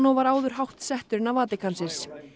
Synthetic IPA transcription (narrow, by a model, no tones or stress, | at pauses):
nɔwvaɾaːwðʏɾ̥ɦawht̪sɛht̪ʏɾɪnavaːt̪ɪkʰansɪn̥s